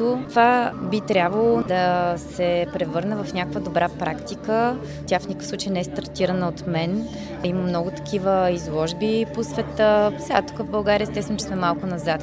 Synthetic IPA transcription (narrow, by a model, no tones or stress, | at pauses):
ot̪vabit̪ɾʲabvəlˠod̪ɐsɛpɾɛvɤɾnəvɐfnʲakəkvəd̪obɾapɾakt̪ikə | t̪ʲafnikə̥fsˠut͡ʃəjənɛɛst̪ɐɾt̪iɾənəot̪mɛn | iməmnɔɡʊt̪ɐ̥kʰʲivəizlˠɔʒbiposvɛt̪əsɛɡat̪u̥kəvbɐlˠɡaɾiəɛst̪ɛst̪vɛnʊt͡ʃɛsmɛmalˠkʊnɐzat̪